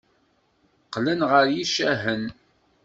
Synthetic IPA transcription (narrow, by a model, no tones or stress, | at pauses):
qlənʁəɾjiʃæɦən